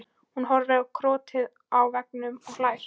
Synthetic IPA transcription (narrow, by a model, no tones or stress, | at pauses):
hunɦɔɾðɪɾakʰɾɔːt̪ʰɪð | awvɛknʏmɔɣlaːjf